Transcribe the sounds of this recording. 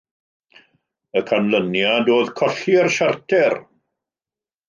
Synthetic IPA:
əkʰanlənjadoːðkʰɔɬiərʃartʰɛr

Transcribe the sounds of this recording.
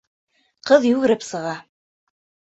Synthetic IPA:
qɤðjʉɣɘ̆ɾɘpsɤ̆ʁɑ

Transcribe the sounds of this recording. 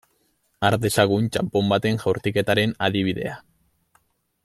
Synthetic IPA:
aɾd̪e̞saɣ̞unt͡ʃampo̞mbat̪e̞ŋʝawɾt̪ike̞t̪aɾe̞naðiβ̞iðe̞̰a

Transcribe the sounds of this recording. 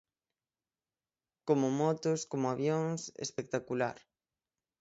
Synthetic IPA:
komomɔt̪oskomoaβjoŋsḛspek̚t̪akula̰ɾ

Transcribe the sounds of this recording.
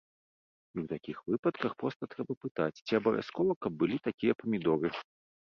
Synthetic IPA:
iwt̪akʲixvɨpɐt̪kɐxpɾɔst̪ɐt̪ɾɛbɐpɨt̪at͡sʲt͡sʲiɐbɐvʲʔa̰skɔvɐkɐb̚ːɨlʲit̪akʲijɐpɐmʲid̪ɔɾɨ

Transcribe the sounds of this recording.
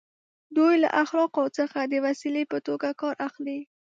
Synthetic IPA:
d̪ujla̰ʔaxlɑqawt͡səxad̪əwasilepət̪oɡakɑɾʔaxli

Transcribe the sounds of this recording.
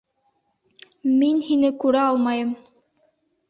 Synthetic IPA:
minhinɘkʉɾæɑlˠmɑjɤm

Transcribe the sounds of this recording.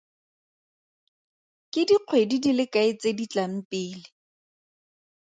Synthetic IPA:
kʼɪdiq͡χʰwedidilɪkʼaɪt͡sedit͡ɬʼam̩pʼɪːlɪ

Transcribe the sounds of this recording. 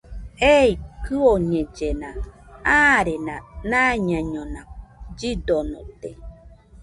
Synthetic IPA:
eikɯoɲẽd͡ʒenãaɾenãnaɲãɲõnad͡ʒidonõ̰t̪e

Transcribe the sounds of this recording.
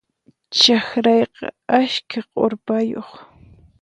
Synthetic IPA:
t͡ʃaxɾɑjqɑ̰aʃkʰaqʼoɾpajoχ

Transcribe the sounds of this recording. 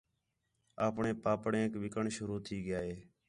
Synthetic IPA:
aːpɳeːpaːpɳẽːkʋɪkəɳʃəɾuːt̪ʰiːɡɪjaːɦeː

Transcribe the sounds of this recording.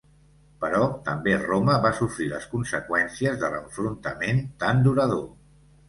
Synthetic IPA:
pəɾɔt̪əmberoməβasufɾilə̰skunsəkwɛnsiəzðələ̰ɱfɾunt̪əment̪and̪uɾəð̞o

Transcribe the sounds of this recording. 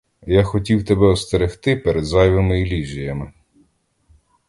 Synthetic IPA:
jaxɔtʲiwt̪ebɛɔst̪eɾext̪ɪpeɾed̪zɑjʋɐmɪilʲiʒʲijɐmɪ

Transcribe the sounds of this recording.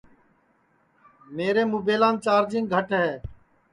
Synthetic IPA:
meːɾeːmuːbeːlãːnt͡ʃaːɾd͡ʒɪ̃ŋɡ̚ɡʱəʈɦɛː

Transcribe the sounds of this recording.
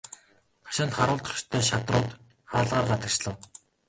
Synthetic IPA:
χʰḁʃănt̪χaɾʊːɮt̪χɞ̥̆t͡ɕt̪ʰœːʃat̪rʊːt̪ | χaːɮʁaːrɢat̪ə̆k̚t͡ɕɮə̆w

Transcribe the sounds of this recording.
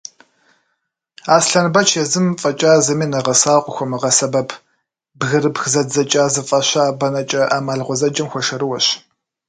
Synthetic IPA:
aːsɬɐnbɐt͡ʃʰezɨmfʼɐt͡ʃʼaːzɐmiːnɐʁɐsaːqʷʼʊxʷɔmɨʁɐsɐbɐpʰ | bɣɨɾɨpxzɐzɐt͡ʃʼaːzɨfʼɐɕaːbɐnɐt͡ʃʼɐʔaːmaːɮʁʷɔzɐd͡ʒʼɐmxʷɔʃɐɾɨwɐɕ

